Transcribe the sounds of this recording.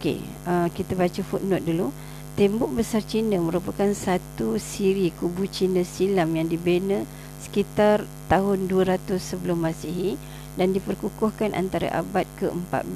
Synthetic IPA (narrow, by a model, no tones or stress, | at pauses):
kḛ | əkit̪abat͡ʃəfut̪̚nʊt̪̚dulu | t̪ɛmbʊʔ̚bəsart͡ʃinəmə̃ɾupakansat̪usiɾikubut͡ʃinəsilamjaŋdibenə | sə̥kit̪ar | t̪aɦʊnduəɾat̪ʊsːəbəlʊmːasiɦi | dandipərkukʊhkanʔa̰nt̪aɾa̰ʔa̰bat̪̚kəəmpa̰t̪̚b